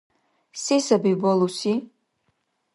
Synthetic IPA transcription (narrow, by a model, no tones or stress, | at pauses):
sisabibɔlusi